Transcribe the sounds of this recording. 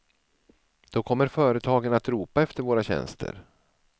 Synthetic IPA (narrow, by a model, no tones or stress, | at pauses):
d̪̥ɔkʰɔmːəɾfœːɾət̪ʰɑːɡənat̪ɾuːpaɛft̪əɾvoːɾaɕɛ̰nst̪ʰə̰ɾ